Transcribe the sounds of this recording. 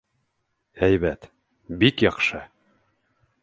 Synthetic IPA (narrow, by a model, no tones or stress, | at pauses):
æjβæt̪ | bikjɑqʃɤ